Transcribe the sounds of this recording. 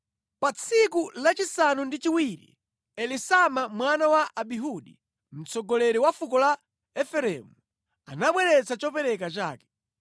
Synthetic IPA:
pat͡sʰikulat͡ʃisanundit͡ʃiwiɾḭ | ɛlisamamwanawaʔaɓiɦuɗḭ | m̩t͡sɔɡɔlɛɾiwafukɔla | ɛfɛɾɛmu | anaɓwɛɾɛt͡sat͡ʃɔpɛɾɛkat͡ʃa̰ːkɛ̥

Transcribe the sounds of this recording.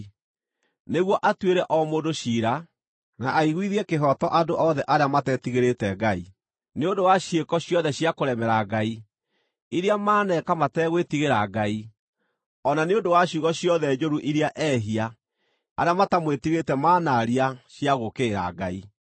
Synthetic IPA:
neɣwɔʔatweɾɛʔɔmoːdoɕiːɾa | naʔːiɣwiðiɛkeɦɔtɔʔadoʔɔðɛʔaɾeamatɛtiɣeɾetɛɡai | neondowaɕjekɔɕjɔðɛɕjakoɾɛmɛɾaɡai | iɾeamaːnɛkamatɛɣwetiɣeɾaɡai | ɔnaneondowaɕuɣɔɕijɔðɛd͡ʒoɾuʔiɾeaʔɛɦia | aɾeamatamwetiɣetɛmaːnaɾiaɕiaɣokeːɾa̰ɡa̰i

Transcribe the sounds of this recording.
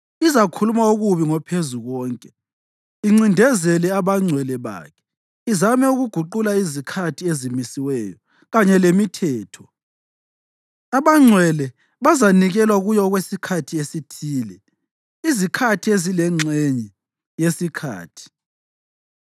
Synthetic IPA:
izakʰulumauɣuβiŋɔpʰezuɣɔːŋkʼɛ | iŋ͡ǀindʱɛzɛlɛaβaŋ͡ǀʱwɛlɛβa̰ːkʰɛ̥ | izamɛuɣuɡ̥ʱuǃulaizikʰatʰiezimisiwɛjɔ | ɣaɲɛlemitʰɛːtʰɔ | aβaŋ͡ǀʱwɛlɛ | βazaniɣɛlwaɣujɔɣwesikʰatʰiesitʰiːlɛ | izikʰatʰiezilɛŋ͡ǀʱɛɲɛ | jesikʰa̰ːtʰi̥

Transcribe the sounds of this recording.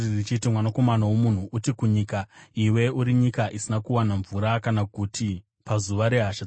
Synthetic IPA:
rit͡ʃit̬imwanako̞manawomun̤uʔutikuɲikaiwe̞uɾiɲikaʔisinakuwanaɱvuɾakanakutʰi | pazuʋaɾe̞ɦaʃa

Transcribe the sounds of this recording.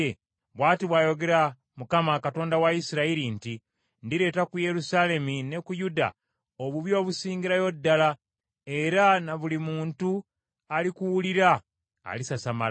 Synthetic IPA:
βwaːtiβwaːjo̞ɡe̞ɾa | mukamakato̞ːndawaisiɾaiɾinti | ndiɾe̞ːtakuje̞ɾusale̞mine̞kujuda̰ | oβuβjo̞ːβusiːŋɡiɾajo̞dːala | e̞ɾanaβulimuːntu | alikuwuliɾa̰ː | lisasamal

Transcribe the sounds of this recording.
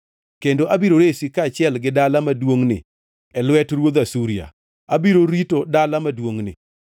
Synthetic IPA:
kendoʔabiɾoɾesikaːt͡ʃɪɛlɡɪdalamadwoŋnɪ̰ | ɛlwɛtɾwod̪asuɾia̰ | abiɾoɾitodalamadwoŋnɪ̰

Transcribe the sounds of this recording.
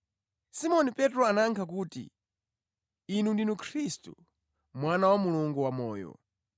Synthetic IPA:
simɔnipɛtɾɔanaŋkʰak̬uːtḭ | nundinukʰɾistṵ | mwanawamuluŋɡuwamɔːjɔ̰

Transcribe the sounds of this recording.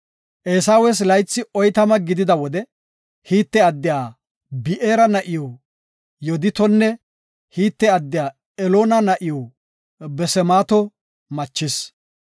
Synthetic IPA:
ʔeːsaːwes̬lɐjt͡sːɪɔjt̪ɐmɐɡɪd̪ɪd̪ɐwɔd̪ɛ | hiːt̪ːɛɐd̪ːɪjaː | bɪʔeːɾɐnɐʔɪjɔ | jɔd̪ɪt̪ɔnːɛ | hiːt̪ːɛɐd̪ːɪjaː | ɛloːnɐnɐʔɪjɔ | bɛsɛmaːt̪ɔ | mɐt͡ʃːɪs

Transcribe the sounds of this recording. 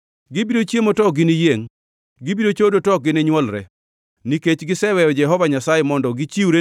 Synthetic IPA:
ɡɪbiɾot͡ʃjemotɔɡɪnijeŋ | ɡɪbiɾot͡ʃodotɔk̚ɡɪneɲwɔlɾɛ̰ | niket͡ʃɡɪsɛwɛjɔd͡ʒɛɦɔvaɲasajɛmɔndɔɡɪt͡ʃiuɾe

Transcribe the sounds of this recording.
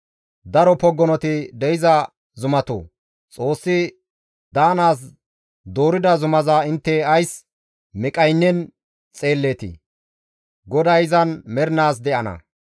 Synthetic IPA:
d̪ɐɾɔpɔɡːɔnɔt̪ɪd̪ɛjɪzɐ | zʊmɐt̪o̰ː | t͡sʼo̞ːsːɪ | d̪aːnaːs̬ | d̪oːɾɪd̪ɐzʊmɐzɐɪnt̪ːɛɐjs | mɪkʼɐjnːɛn | t͡sʼe̞ːlːeːt̪ɪ̰ | ɡɔd̪ɐjɪzɐnmɛɾɪnaːs̬d̪ɛʔɐnɐ̰

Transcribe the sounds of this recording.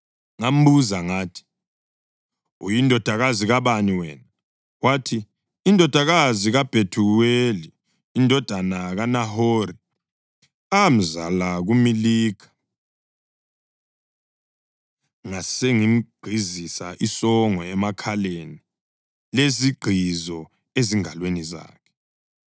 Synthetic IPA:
ŋam̩buzaŋaːtʰi̥ | ujindʱɔd̥ʱaɣaziɣaβaniwɛːna | watʰiː | ndʱɔd̥ʱaɣaziɣab̥ʱetʰuweliː | ndʱɔd̥ʱanaɣanaɦoɾi | am̩za̰laɣumiliːkʰḁ | ŋaseŋim̩ɡ͡ǃʱizisaʔisɔŋɔɛmakʰaleni | leziɡ͡ǃʱizɔ | eziŋalweniza̰ːkʰɛ̥

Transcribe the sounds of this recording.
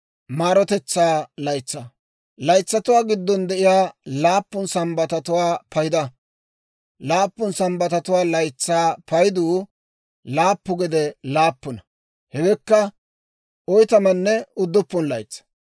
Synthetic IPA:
maːɾɔt̪ɛt͡sːaːlɐjt͡sːa | lɐjt͡sːɐt̪ʊwaːɡɪd̪ːɔnd̪ɛʔɪjaːlaːpːʊnsɐmbɐt̪ɐt̪ʊwaːpʰɐjɪd̪ɐ | laːpːʊnsɐmbɐt̪ɐt̪ʊwaːlɐjt͡sːaːpɐjd̪uː | laːpːʊɡɛd̪ɛlaːpːʊnɐ | hɛɡɛkːɐ | ɔjt̪ɐmɐnːɛʊd̪ːʊpːʊnlɐjt͡sːɐ̥

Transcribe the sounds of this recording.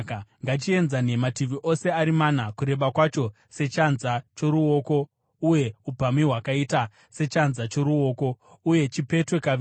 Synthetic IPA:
ŋɡat͡ʃie̞nzane̞matiʋiʔo̞se̞aɾimanakuɾe̞ɓakwat͡ʃo̞ | se̞t͡ʃanzat͡ʃo̞ɾuo̞ko̞ | uje̞upamiɦwakaita | se̞t͡ʃanzat͡ʃo̞ɾuo̞ːko̞ | uje̞t͡ʃipe̞twe̞kaʋ

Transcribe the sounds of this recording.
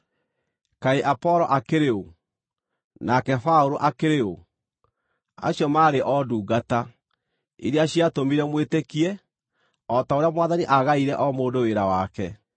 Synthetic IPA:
kaeʔapɔɾɔʔakeɾeo | nakɛfaoɾoʔakeɾeo | a̰ɕjɔmaːɾeʔɔduːɡata | ḭɾeaɕiatomiɾɛmwetekiɛ | ɔtaoɾeamwaðaniʔaɣaiɾɛʔɔmoːdoweɾawakɛ

